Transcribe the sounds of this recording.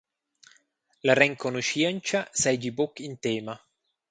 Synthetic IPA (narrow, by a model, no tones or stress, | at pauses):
larɛŋkonuʃiɛnt͡ʃasɛjd͡ʒibokːint̪ɛːma